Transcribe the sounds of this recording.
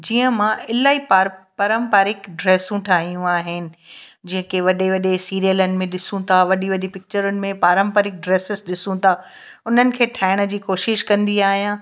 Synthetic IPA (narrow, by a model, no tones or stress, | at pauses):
d͡ʑiːə̃mãɪlaːipaɾpɐɾə̃mpaːɾɪkɖɾeːsũʈʰaːɦijũaːɦɪnɪ̆d͡ʑɐ̃ɦɪ̃keʋɐɗeʋɐɗesiːɾijələnɪ̆mẽɗɪsũt̪ʰaʋɐɗiʋɐɗepɪk̚t͡ɕəɾʊnɪ̆mẽpaːɾə̃mpəɾɪk̚ɖɾeːsɪzɗɪsũt̪ʰa | ʊn̤ənɪ̆kʰeːʈʰaːɪɽ̃ə̆d͡ʑiːkoːʃɪʃkɐ̃nd̪iaːɦijãː